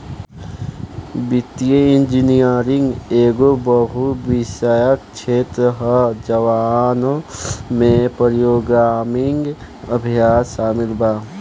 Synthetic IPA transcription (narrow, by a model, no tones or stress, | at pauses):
bit̪ːijəɪ̃nd͡ʒinijəɾɪ̃ŋɡeːɡobəɦuʋɪʃəjək̚t͡ʃʰeːt̪ɾəɦəd͡ʒəʋaːnomẽpəɾjoːɡaːmiŋɡ | əbʱijaːʃaːmɪlbaː